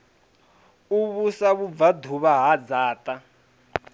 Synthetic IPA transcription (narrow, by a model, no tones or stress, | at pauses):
uβusaβub̪vad̪ʱuβaɦad͡zaːta